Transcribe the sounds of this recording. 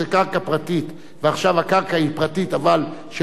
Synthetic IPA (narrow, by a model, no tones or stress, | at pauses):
ekaʁkapʁat̪it̪ | veaχʃavhakaʁkaipʁat̪it̪avalʃe